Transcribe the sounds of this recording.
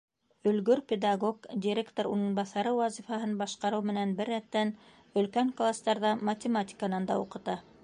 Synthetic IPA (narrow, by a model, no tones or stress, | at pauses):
ɵ̆lɡɵɾpʲed̪aɡokdʲiɾʲekt̪oɾunɤ̆nbɑθɑɾɤwɑzifɑɦɤnbɑʃqɑɾɤwmɘ̆nænbɘɾːætt̪ːæn | ɵ̆lkæŋklˠast̪ɑɾðɑmɐtʲɪmatʲɪ̥kanɑnd̪ɑ̰uqɤ̆t̪ɑ